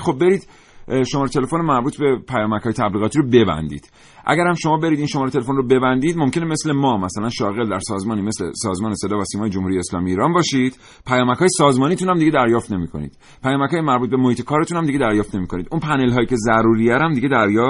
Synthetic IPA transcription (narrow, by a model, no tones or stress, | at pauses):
xobːe̞ɾiːd̪ | ʃo̞mɒːɾet̪ʰe̞le̞fonomæɾbuːt̪ʰbe̞pʰæjɒːmæcʰɒːjet̪ʰæbliːɣɒːt̪ʰiɾobe̞bæ̰nd̪ḭːd̪̥ | ʔæ̰ɟæɾhæmʃo̞mɒːbe̞ɾid̪inʃo̞mɒɾet̪e̞lefo̞nrobe̞bænd̪iːd̪mo̞mcʰe̞neme̞slemɒːmæsælænʃɒːɣe̞ld̪æɾsɒːzmɒːniːme̞slḛsɒːzmɒːnese̞d̪ɒːvæsiːmɒːjed͡ʒomhuɾijeːslɒ̰ːmiiːɾɒːnbɒːʃiːd̪̥ | pʰæjɒːmæcʰɒːjesɒːzmɒːniːt̪ʰunhæmd̪iɟe̞d̪æɾjɒːft̪ne̞miːkʰo̞nḭːd̪̥ | pʰæjɒːmæckʰɒːjemæɾbuːt̪be̞mohiːt̪ʰekʰɒːɾe̞t̪unhæmd̪iɡɟed̪æɾjɒːft̪ne̞miːkʰo̞niːd̪unpʰæne̞lɦɒːjiːce̞zæɾuːɾijæɾæmd̪iɟe̞d̪æɾjɒː